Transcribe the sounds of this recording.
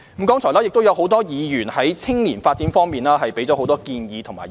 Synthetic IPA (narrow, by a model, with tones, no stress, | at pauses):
mm̩˨˥kɔː˥ŋt͡sʰɔː˨˩laː˥ɪk̚t̪wjɐ˨wɦo˨˥wt̪ɔː˥jiː˨˧jyː˨˩nhɐ˨˥jt͡sʰɪ˥ŋliː˨˩nfaː˧t̚t͡siː˨˥nfɔː˥ŋmiː˨˩nlaː˥ɦɐ˨jpe˨˥jt͡sɔ˨˥o˨˧wt̪ɔː˥kiː˧njiː˨˧t̪ʰʊ˨˩ŋma̰ː˨˩